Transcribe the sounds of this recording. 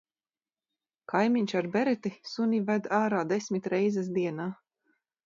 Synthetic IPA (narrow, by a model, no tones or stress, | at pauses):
kajmiɲʲt͡ʃaɾbɛɾɛt̪isunʲivæd̪aːɾaːd̪ɛsʲmit̪ɾɛjzɛsd̪iɛnaː